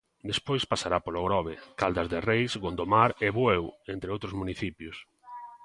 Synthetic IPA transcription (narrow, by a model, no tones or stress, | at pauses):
d̪espojspasaɾapoloɣɾɔβekald̪azðerejsɡond̪omaɾeβwewent̪ɾeowt̪ɾʊzmuniθipjʊs